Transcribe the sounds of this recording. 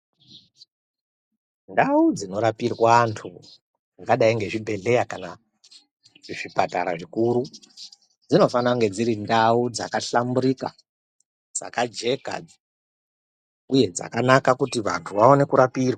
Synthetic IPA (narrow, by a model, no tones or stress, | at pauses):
ndaud͡zino̞ɾapirwaːntʰu | aɡaɗaiŋɡe̞ʐibʱe̞ɮe̞jakana | ʐipataɾa̰ʐikuɾu | d͡zino̞fanaŋɡe̞d͡ziɾindaud͡za̰kaɬamuɾika̰ | d͡za̰kad͡ʒe̞ka̰d͡z | uje̞d͡za̰kanakakutiʋa̰ntʰuʋaone̞kuɾapiːrwa